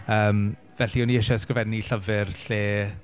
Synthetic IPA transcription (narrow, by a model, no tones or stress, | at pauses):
əːm | vɛɬiɔniɪʃɔskrvɛdnːiɬəvɪrɬeː